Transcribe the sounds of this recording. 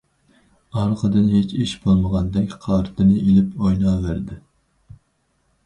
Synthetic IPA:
ɑɾqʰəd̪ɨnɦet͡ʃiʃbolˠməʁɑnd̪ɛkʲqʰɑɾt̪ʰɨnɨilɪpojnɑːvæɾd̪ɪ

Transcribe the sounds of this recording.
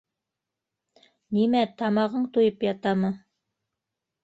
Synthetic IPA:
nimæt̪ɑmɑʁɤɴt̪ujɤpjɑt̪ɑmɤ

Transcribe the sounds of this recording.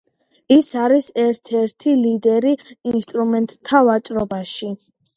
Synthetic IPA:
isaɾisɛɾt̪ʰɛɾt̪ʰilid̪ɛɾiinst̪ʼɾumɛnt̪ʼt̪ʰːavat͡ʃʼɾɔbaʃi

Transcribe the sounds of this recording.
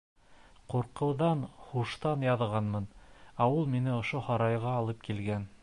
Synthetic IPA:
quɾqɤ̆wðɑnχuʃt̪ɑnjɑðʁɑnmɤnæulˠminɘŏʃohɑɾɑjʁɑːlˠɤp̚kilɡæn

